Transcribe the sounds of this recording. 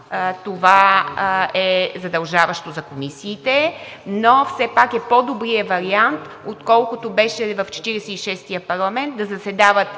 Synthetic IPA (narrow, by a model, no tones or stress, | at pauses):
t̪ova | ɛzɐd̪ɐlˠʒavɐʃt̪ozɐkomisiːt̪ɛ | nofsɛpakɛpod̪obɾiəvɐɾiant̪ | ot̪kɔlˠkʊt̪obɛʃɛvɐft͡ʃɛ̥t̪iɾɛsɛiʃɛst̪ijəpɐɾlˠɐmɛnt̪̚d̪ɐzɐsɛd̪avət̪